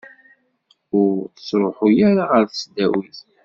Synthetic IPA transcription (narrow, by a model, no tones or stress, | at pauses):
ʊɾθə̥sɾˤoħʊjæɾaʁəɾθəsd̪æwiθ